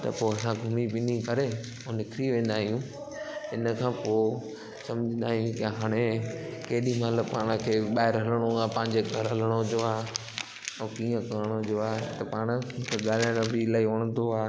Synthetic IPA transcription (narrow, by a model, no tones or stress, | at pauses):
t̪ɐ̰poːɐsãɡʱʊmipĩːnd̪ikɐɾe | õnɪkʰɾiʋẽːn̆d̪aːɦijũ | ɦɪnə̆kʰãːpoː | sɐmd͡ʑə̃nd̪aːɦijũkɪɦaːɽ̃ekeɦɗĩmat̪ləbpaːɽ̃əkʰeːɓaːɦɪɾɦɐləɽ̃oapɐ̃ːɪ̃ɲd͡ʑeɡʱɐɾɦɐləɽ̃od͡ʒoaː | ɛ̃kiːə̃kɐɾəɽ̃oɦd͡ʑoaːɦt̪ɐpaːɽ̃kʰeɡaːlaɽ̃bilaːiʊɽ̃ənd̪oaː